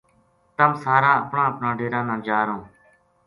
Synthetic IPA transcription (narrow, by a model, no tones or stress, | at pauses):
t̪əmsaːɾãːəpɳãːəpɳaːɖeːɾãːnãːd͡ʒaːɾõː